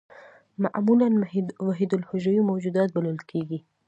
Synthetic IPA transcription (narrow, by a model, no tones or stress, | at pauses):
ma̰ʔmulanwaɦid̪ʊlhʊʒəjomawd͡ʒud̪ɑt̪̚baləlkʰeɡi